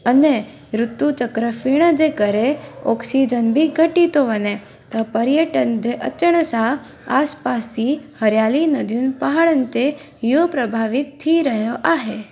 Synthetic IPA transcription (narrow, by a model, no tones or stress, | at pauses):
əne | ɾʊt̪ːut͡ʃəkɾəfiɳ̃əd͡ʒekəɾeoksid͡ʒənbʱiɡʱəʈit̪oʋəne | t̪apəɾjəʈənd͡ʒeʔə̰t͡ʃːəɳ̃əsa | aspasihəɾjalinəd̪ʱjunpaɦaɭənt̪e | jopɾəbʱaʋik̚t̪ʰiɾəɦjoʔaɦe